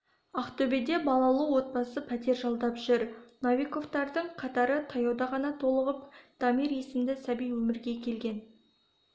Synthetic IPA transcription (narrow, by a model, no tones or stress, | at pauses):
ɑχt̪ʰɵbed̪e̞bɑlˠɑlˠəwo̞t̪̚bɑsəpʰæt̪e̞ɾʒɑlˠd̪ɑpʒ̥ʏɾnavʲiko̞ft̪ɑɾd̪əɴqʰɑt̪ɑɾət̪ʰɑjɑwd̪ɑʁɑnɑt̪ʰo̞lˠəʁəp̚d̪̥ɑmiɾje̞sɪmd̪ɪsæbijwɵmɪɾɡʲe̞kʲʰe̞lɡʲe̞n